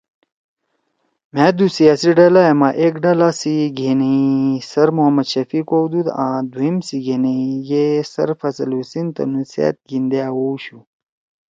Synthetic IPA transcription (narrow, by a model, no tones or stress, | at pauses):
mɛ̃ːd̪usijaːsiɖɐlajemaʔekɖɐlasiɡeːneisɐɾmoɦɐmɐd̪ɕɐfikowd̪ud̪ãːd̪wuimsiɡeːneiɡesɐ̰ɾfɐsɐlusint̪ɐ̰nusḛt̪̚ɡind̪eawoɕu